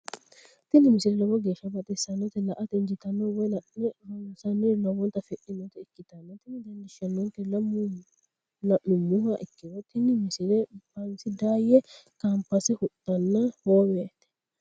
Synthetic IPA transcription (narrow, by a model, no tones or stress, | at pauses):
t̪ɪnːɪmɪsɪlɛlɔbɔɡe̞ːʃːɐbɐt̪ʼɛsɐnːɔt̪ɛlɐʔɐt̪ɛnd͡ʒɪt̪ɐnːɔwɔj | ɐsɐnːɛɾnɔwɔnt̪ːɐfɛʔɪnɔt̪ɛɪkːɪt̪ɐnːɐt̪ɪnːɪd̪ɐnd̪ɪʃɐnːɔnt̪ɛlɐmʊ | nɐʔʊmʊhɐʔɪkːɪwɔt̪ɪnːɪmɪsɪlɛbɐnsɪd̪aːjɛkampːɐsɛhʊt̪ʼːɐnːɐhoːwɛt̪ːɛ̥